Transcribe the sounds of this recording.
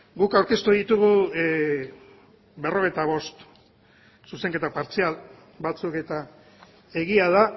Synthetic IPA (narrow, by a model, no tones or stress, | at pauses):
ɡukawɾke̞st̪uðit̪uɣ̞u | βe̞ro̞β̞et̪aβ̞o̞st̪ | suse̞ŋke̞t̪apaɾt͡sial | bat͡suke̞t̪a | e̞ɣiað̞a